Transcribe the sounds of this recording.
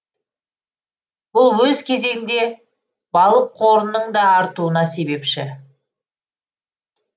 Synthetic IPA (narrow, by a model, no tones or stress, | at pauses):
bʊlˠwɵzkʲʰe̞ze̞ɡʲɪnd̪e̞ | b̥ɑlˠəq̚qʰo̞ɾənːəɴd̪ɑːɾt̪uənɑse̞be̞pʃɪ